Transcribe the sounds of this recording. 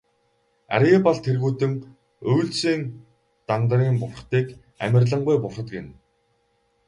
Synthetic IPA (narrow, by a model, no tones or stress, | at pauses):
æ̰ɾiːpɔɮt̪ʰerɣuːt̪ɘ̆ŋ | ɵjɮsiːŋ | t̪ant̪riːmpʊrχt̪iːk | æ̰mʲɪ̆rɮə̆ɴɢʊjpʊrχə̆t̪ɡen